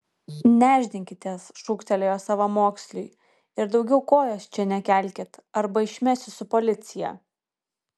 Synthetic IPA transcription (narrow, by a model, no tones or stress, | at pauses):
nʲæːʒʲd̪ʲɪŋʲkʲɪt̪ʲeɛsʃuːkt̪ʲɛlʲeːjoːsɑʋɐmoːksʲlʲʊɪ | ɪɾd̪ɒʊɡʲɛʊkoːjoːst͡ʃʲɛnʲɛkʲæˑlʲkʲet̪ɐɾbɐɪʃʲmʲɛsʲɪsʊpɔlʲɪt̪sʲɪjɛ̰